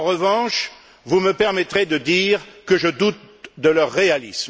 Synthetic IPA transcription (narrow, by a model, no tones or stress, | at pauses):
ɑ̃ʁəvɑ̃ʃ | vuməpɛʁmɛt̪χed̪əd̪iːʁkəʒəd̪ut̪̚ | d̪əlœʁːealḭsm